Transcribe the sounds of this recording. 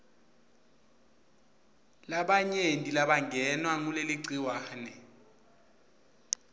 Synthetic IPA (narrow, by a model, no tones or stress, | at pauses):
laɓaɲentʼilaɓaŋʱɛnwaŋuleliǀiwanɛ